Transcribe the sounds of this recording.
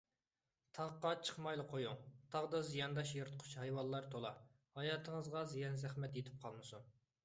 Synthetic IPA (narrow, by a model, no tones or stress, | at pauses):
t̪ʰɑʁqːɑt͡ʃʰə̥χmɑjlˠəqʰojuŋt̪ʰɑʁd̪ɑzijɑnd̪ɑʃjeɾt̪ʰqʰʊ̥t͡ʃhɑjwɑlˠːɑɾt̪ʰolˠɑ̰ | hɑjɑːt̪ʰəŋəzʁɑzijɑnzæχmɛt̪jet̪ʰɪ̥p̚qʰɑlˠmɨsun